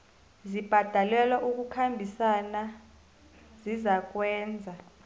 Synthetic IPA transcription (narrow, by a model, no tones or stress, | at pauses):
zib̥ʱad̥ʱalwɛlaʔuk̬ʼukʰambʱisana | zizak̬ʼwɛːnd͡zʱa